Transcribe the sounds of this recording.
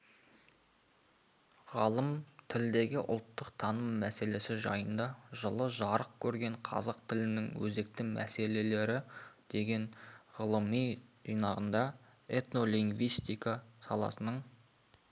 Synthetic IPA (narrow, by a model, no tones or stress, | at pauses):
ʁɑlˠəmt̪ʰɪld̪e̞ɡʲɪʔʊ̰lˠt̪ːəqt̪ʰɑnəmːæse̞le̞sɪʒɑ̰jənd̪ɑʒəlˠəʒɑɾəq̚kʲʰɵɾɡʲe̞ɴqʰɑ̰zɑqt̪ʰɪlɪnɪŋwɵ̰ze̞k̚t̪ɪŋmʔæ̰se̞le̞le̞ɾɪd̪̥e̞ɡʲe̞ɴʁəlˠəmijʒijnɑʁənd̪ɑ | e̞t̪no̞liŋɡvijst̪ijkasɑ̰lˠɑ̰sənəɴ